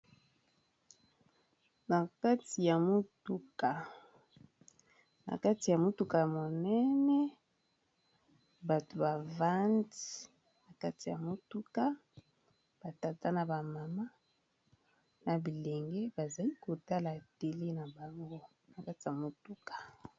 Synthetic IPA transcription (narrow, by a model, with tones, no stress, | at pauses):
na˨ka˦ti˨ja˨mo˦tu˦ka˨ | na̰˨ka˦ti˨ja˨mo˦tu˦ka˨mo˨nɛ˦nɛ˦ | ba˨to˨ba˨va˦nti˨ | na˨ka˦ti˨ja˨mo˦tu˦ka˦ | b̥a˨ta˨ta˦na˨ba˨ma˨ma˦ | na˨bi˨lɛ˨ŋɡɛ˦ba˨za˨li˦ko˨ta˦la˨te˨le˦na˨ba˨ŋɡo˦ | na˨ka˦ti˨ja˨mo˨tu˦kḁ˨